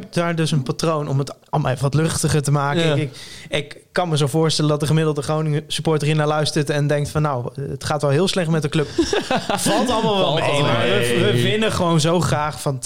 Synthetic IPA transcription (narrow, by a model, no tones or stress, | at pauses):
ɛp̚daːɹdɵsənpatrownɔmətɑlˠmlˠefəʋɑtlɵχtəχəɹtəmaːkəɪkɪk | kːɑnməzovʊːɹstɛləndɑt̚dəχəmɪdl̩ˠdəχownɪŋsypɔːɹtərinaːɹlœɥstəɹtɛndɛŋktfɑnːawətχaːtʋɛlˠɦɪːlˠslɛχtmɛtdəkløp | fɑlˠtɑlˠmalˠʋɑmaəʋəvɪnəχəʋownzowχraːχfɑn